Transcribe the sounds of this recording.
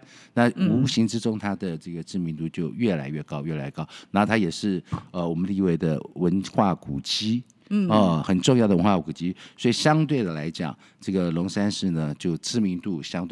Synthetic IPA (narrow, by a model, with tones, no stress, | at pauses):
na˥˩u˧˥ɕi˧˥ŋʈ͡ʂɻ̩˥ʈ͡ʂʊ˥ŋt̪ʰa˥d̪ə˨ʈ͡ʂɤ˥˩ɡə˩ʈ͡ʂɻ̩˥˩mi˧˥nt̪u˥˧t͡ɕjo˥˧ʊɥɛ˥˩la˧˥ɪɥɛ˥˩kɑ˥ʊɥɛ˥˩la˧˥ɪ˥˧kɑ˥ʊna˧˥o˥˧˩t̪ʰa˥jɛ˨˩ʂɻ̩˥˩ə˧wɔ˨˩mə˦nli˥˧we˥˩ɪd̪ə̰˩wə˧˦˥nxwa˥˩ku˨˩t͡ɕi˥ | ə˥˧˩xə˨˩nʈ͡ʂʊ˥˧ŋjɑ˥˩d̪ə˩wə˧˦nxwa˥˩ku˨ku˨˩t͡ɕi˥swɔ˧˥i˨˩ɕjɑ˥ŋt̪we˥˩ɪd̪ə˩la˧˥ɪt͡ɕjɑ̰˨˩˦ŋ | ʈ͡ʂɤ˥˩ɡə˩lʊ˧˥ŋsa˥nʂɻ̩˥˩nə˩t͡ɕjo˥˩ʊʈ͡ʂɻ̩˥mi˧˥nt̪u˥˩ɕjɑ˥ŋt̪we˥